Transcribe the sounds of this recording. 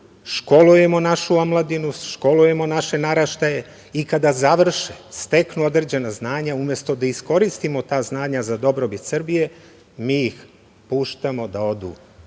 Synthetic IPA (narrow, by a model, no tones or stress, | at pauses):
ʃko̞luje̞mo̞naʃuomlˠad̪inuʃko̞luje̞mo̞naʃe̞naɾaʃt̪aje̞ | ikad̪azaʋr̩ʃest̪e̞knuo̞d̪ɾed͡ʑe̞naznaːɲaumje̞st̪o̞d̪aisko̞ɾist̪imo̞t̪aːznaːɲazad̪o̞bɾo̞bit̪sɨr̩bije̞ | miːjix | puːʃt̪amo̞d̪ao̞d̪ṵː